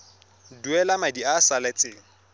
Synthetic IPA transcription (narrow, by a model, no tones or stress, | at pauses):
duɛlamadiasalɛt͡sʼɪːŋ̩